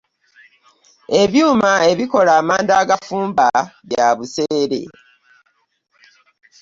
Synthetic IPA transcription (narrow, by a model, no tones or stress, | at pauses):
e̞βjuːmae̞βiko̞laːmaːndaːɡafuːmbaβjaβuseːɾe̞̰